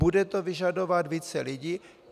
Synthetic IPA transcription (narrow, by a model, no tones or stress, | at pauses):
udɛt̪ovɪʒadovat̪viːt͡sɛlɪɟiː